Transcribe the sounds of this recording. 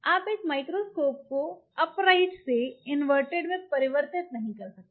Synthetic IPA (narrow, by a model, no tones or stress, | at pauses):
aːpekmajkɾoskop̚koəpɾaiʈseinʋəɾʈeɽmek̚pəɾiʋəɾt̪it̪nɐɦĩkəɾsək̪̚